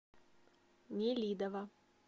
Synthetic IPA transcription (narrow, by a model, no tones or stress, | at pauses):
nʲɪlʲid̪ɐvɐ